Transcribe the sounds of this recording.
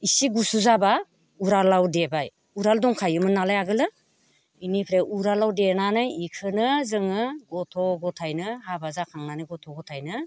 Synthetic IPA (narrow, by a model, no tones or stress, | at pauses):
isiɡusuzaba | uɾalawdebaj | uɾaldɔŋkʰajɯmɯnːalajaɡɯlɯ | inipʰɾeʔuɾalawdenanɯjikʰɯnɯzɯŋɯɡɔtʰɔɡɔtʰajnɯhabazakʰaŋnanɯɡɔtʰɔɡɔtʰajnɯ